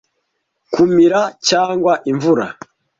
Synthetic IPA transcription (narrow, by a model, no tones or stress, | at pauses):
kumiɾacaːŋɡwaʔiɱvuɾa̰